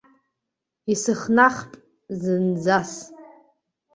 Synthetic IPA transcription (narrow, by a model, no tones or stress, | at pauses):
isɨχnaχpʼ | zɨnd͡zas